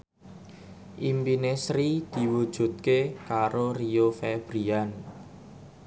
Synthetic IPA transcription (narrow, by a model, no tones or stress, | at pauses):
ʔimpinesɾid̪̥i̤wud̥ʒ̥ṳt̪̚kekaɾoriofɛb̥ɾian